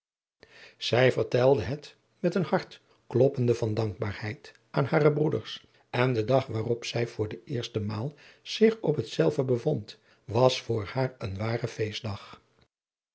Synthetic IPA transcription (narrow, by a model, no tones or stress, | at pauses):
z̥ɛjvəɹtɛlˠdəɦət | mɛtənhɑɹt | klɔpəndəvɑndɑŋɡ̚baːɹhɛjt | ʔaːnhaːrəbrudə̰ɹs | ɛndədɑχʋaːrɔpsɛjv̥ʊːɹdəʔɪːɹstəmaːlˠz̥ɪχɔpɦətsɛlˠvəbəvɔnt | ʋɑsfʊːɹhaːɹənʋaːrəfejsdɑχ